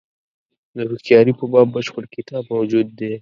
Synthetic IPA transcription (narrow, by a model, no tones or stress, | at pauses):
d̪əbɪxt̪jɑɾipəbɑbːəʃpəlkɪt̪ɑbmawd͡ʒud̪ːe